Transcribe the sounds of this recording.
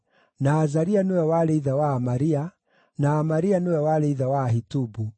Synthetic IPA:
naːzaɾianewɛwaɾeiðawaːmaɾia | naːmaɾianewɛwaɾeiðawaɦitubu

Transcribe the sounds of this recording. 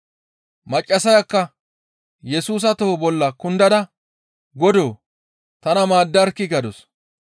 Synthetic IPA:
mɐt͡ʃʼːɐsɐjɐkːɐ | jɛsuːs̬ɐt̪ohobɔlːɐkʊnd̪ɐd̪ɐ | ɡɔd̪oː | t̪ɐnɐmaːd̪ːɐɾkːɪɡɐd̪ɔs

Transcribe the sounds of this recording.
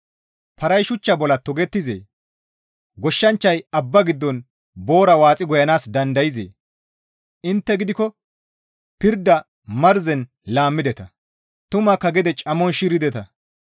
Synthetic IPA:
pɐɾɐjʃʊt͡ʃːɐbɔlɐt̪ɔɡɛt̪ːɪzḛː | ɡɔʃːɐnt͡ʃːɐjɐbːɐɡɪd̪ːɔn | boːɾɐwaːt͡sʼɪɡɔjɐnaːsd̪ɐnd̪ɐjɪzḛː | ɪnt̪ːɛɡɪd̪ɪkɔ | pɪɾd̪ːɐ | mɐɾzɛn | laːmːɪd̪ɛt̪ɐ | t̪ʊmɐkːɐɡɛd̪ɛt͡ʃʼɐmːɔnʃiːɾɪd̪ɛt̪ɐ

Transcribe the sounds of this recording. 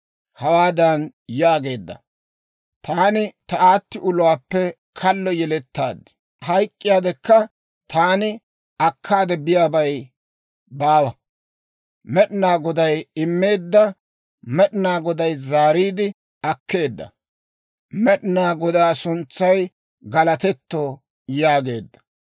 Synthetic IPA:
hɐwaːd̪ɐnjaːɡe̞ːd̪ːɐ̰ | t̪aːnɪt̪ɐaːt̪ːɪʔʊlʊwaːpːɛ | kʰɐlːɔjɛlɛt̪ːa̰ːd̪ɪ̥ | hɐjkʼːɪjaːd̪ɛkːɐ | t̪aːnɪ | ɐkʰːaːd̪ɛbɪjaːbɐj | baːwɐ | mɛɗɪnaːɡɔd̪ɐjɪmːe̞ːd̪ːɐ | mɛɗɪnaːɡɔd̪ɐjzaːɾiːd̪ɪ | ɐkʰːe̞ːd̪ːɐ̰ | mɛɗɪnaːɡɔd̪aːsʊnt͡sːɐj | ɡɐlɐt̪ɛt̪ːo | jaːɡe̞ːd̪ːɐ̥

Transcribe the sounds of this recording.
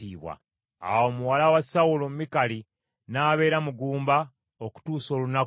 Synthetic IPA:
iːβwa̰ | a̰wo̞ːmuwalawasawulomumikali | naːβe̞ːɾamuɡuːmba | oku̥tuːso̞ːlunak

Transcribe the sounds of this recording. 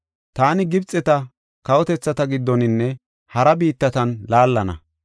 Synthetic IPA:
t̪aːnɪɡɪbt͡sʼːɛt̪ɐ | kɐwɔt̪ɛt͡sːɐt̪ɐɡɪd̪ːɔnɪnːɛ | hɐɾɐbiːt̪ːɐt̪ɐnlaːlːɐnɐ̰

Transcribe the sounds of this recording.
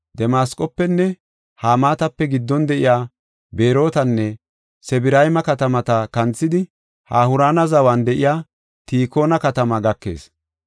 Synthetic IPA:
d̪ɛmaːskʼɔpːɛnːɛ | haːmaːt̪ɐpːɛɡɪd̪ːɔnd̪ɛʔɪjaː | beːɾo̞ːt̪ɐnːɛ | sɛbɪɾɐjmɐkɐt̪ɐmɐt̪ɐkɐnt͡sːɪd̪ɪ | haːhʊɾaːnɐzɐwand̪ɛʔɪjaː | t̪iːko̞ːnɐkɐt̪ɐmɐɡɐkːe̞̰ːs

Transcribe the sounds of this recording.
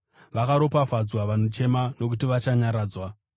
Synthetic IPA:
ʋakaɾo̞pafad͡zwaʋan̤ut͡ʃe̞mano̞k̬utiʋat͡ʃaɲaɾaːd͡zwa

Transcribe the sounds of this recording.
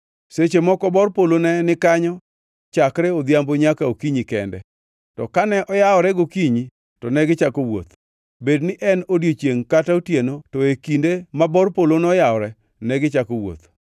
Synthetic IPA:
set͡ʃemɔkɔbɔrpolonɛnɪkaɲɔ | t͡ʃakɾɛɔd̪jamboɲakaokiɲikɛndɛ̰ | tɔkanɛʔɔjaɔɾɛɡokiɲi | tɔnɛɡɪt͡ʃakowo̰t̪ | bednɪʔɛnodjot͡ʃjeŋkataotjenotɔekindemabɔrpolonɛɔjaɔɾɛ | nɛɡɪt͡ʃakowo̰t̪

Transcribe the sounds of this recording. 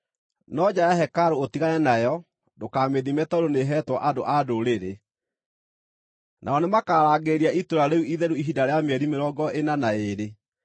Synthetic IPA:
nɔd͡ʑajaɦɛkaɾootiɣaɾɛnajɔ | dokaːmeðimɛtaoɾoneɦɛtwɔʔadoʔadoɾeɾe | nʔa̰ɔnemakaːɾaːɡeɾiaitoɾaɾeuiðɛɾuiɦidaɾeameɛɾimeɾɔɡɔʔenanaeɾe

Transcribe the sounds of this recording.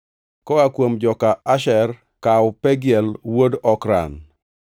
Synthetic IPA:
kɔakwomd͡ʒɔkaaʃɛr | kawpɛɡjɛlwodɔkɾa̰n

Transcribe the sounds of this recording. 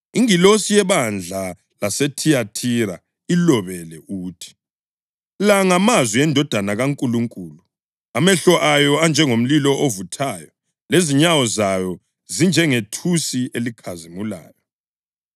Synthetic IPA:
iŋilosijɛβand͡ɮʱa | lasetʰijatʰiɾa | ilɔβɛlɛuːtʰi̥ | laŋamazwiɛndʱɔd̥ʱanaɣaŋkʼuluŋkʼuːlu | amɛɬɔʔajɔand͡ʒʱɛŋom̩lilɔʔovutʰaːjɔ | leziɲawɔzajɔ | zind͡ʒʱɛŋetʰusielikʰazimula̰ːjɔ

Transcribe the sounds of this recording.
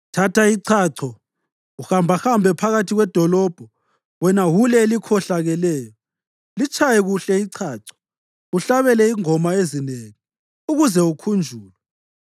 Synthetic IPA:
tʰatʰaiǀʰaːǀʰɔ | uxambʱaxambʱɛpʰaɣatʰiɣwɛd̥ʱɔlɔːb̥ʱɔ | wɛnawulɛːlikʰɔɬaɣɛlɛːjɔ | lit͡ʃʰajɛɣuɬɛiǀʰaːǀʰɔ̥ | uɬaβɛlɛiŋɔmaezineŋi | uɣuzɛukʰund͡ʒʱuːlwɛ

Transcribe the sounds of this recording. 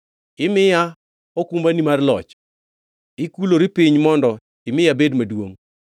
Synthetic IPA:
ɪmɪja | okumbanimarlɔ̰t͡ʃ | ɪkuloɾipiɲmɔndɔ | ɪmɪjabedmadwoŋ

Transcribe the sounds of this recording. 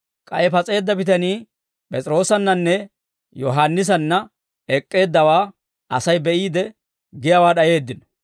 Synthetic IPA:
kʼɐjɛpɐt͡sʼe̞ːd̪ːɐbɪt̪ɐniː | pʼɛt͡sʼɪɾo̞ːsɐnːɐnːɛ | jɔɦaːnːɪs̬ɐnːɐ | ɛkʼːe̞ːd̪ːɐwaː | ʔɐ̰sɐjbɛʔiːd̪ɛ | ɡɪjɐwaːɗɐje̞ːd̪ːɪn

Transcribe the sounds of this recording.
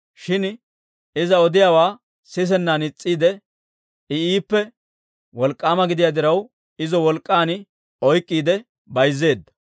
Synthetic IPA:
ʃɪn | ɪzɐɔd̪ɪjaːwaː | sɪs̬ɛnːaːnɪt͡sʼːiːd̪ɛ | ɪiːpːɛ | wɔlkʼːaːmɐɡɪd̪ɪjaːd̪ɪɾɐw | ɪzɔwɔlkʼːaːnɪ | ɔjkʼːiːd̪ɛ | bɐjzːe̞ːd̪ːɐ̥

